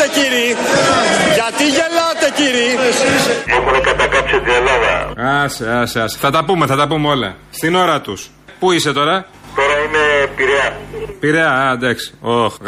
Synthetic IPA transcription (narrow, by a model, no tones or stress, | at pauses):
eciɾi | ʝɐt̪iʝe̞lɐt̪eciɾi | omonekɐt̪ɐkɐpset̪ielɐðɐ̰ɐsiɐsiɐsi̥θɐt̪ɐpume̞θɐt̪ɐpumeo̞lɐ̰ | st̪ino̞ɾɐt̪us | puise̞t̪o̞ɾɐ | t̪o̞ɾɐine̞piɾeɐpiɾeɐɐd̪ɐksi̥ox